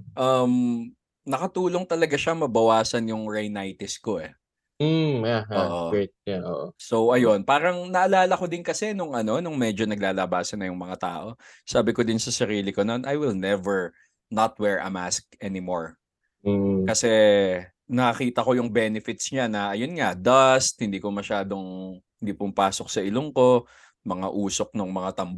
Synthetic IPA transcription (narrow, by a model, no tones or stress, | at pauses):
ʔɐm | nɐkɐt̪uːlo̞ŋt̪ɐlɐɡaʃaŋmɐbɐwaːsɐnjʊŋɹajnajt̪ɪsko̞ʔɛ | aɦaoːʔoɛt̪̚aʔoːʔoso̞wʔɐjo̞npaːɾɐŋnɐʔɐlaːlɐko̞d̪ɪnkɐsɛnʊŋʔɐno̞nʊŋmɛd͡ʒo̞nɐɡ̚laːlɐbaːsɐnɐjʊŋmɐŋat̪a̰ːʔo̞saːbɪkod̪ɪnsɐsɐɾiːlɪkononʔɐjwɪlnɛvɛɹ | nɐt̪̚wɛɹʔɐ̰mask̚ɛnɪmoɹ | kɐsɛ | nɐkɐkiːt̪ɐko̞jʊŋbɛːnɪfɪt̪sɲanɐʔɐjonŋɐd̪ɐst̪̚hɪnd̪iːkomɐʃaːd̪o̞ŋhɪnd̪iːpʊmpaːsok̚sɐʔɪloŋko̞ | mɐŋa̰ʔuːso̞k̚nʊŋmɐŋat̪ɐmb